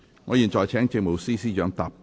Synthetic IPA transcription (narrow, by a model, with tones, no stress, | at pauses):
ŋɔː˨˧iː˨˩nt͡ʃɔː˨˧jt͡ʃʰɛː˨˥ŋt͡sɪ˧k̚mo˨˩wsiː˥siː˥t͡ʃœː˨˥ŋt̪aː˨˧pː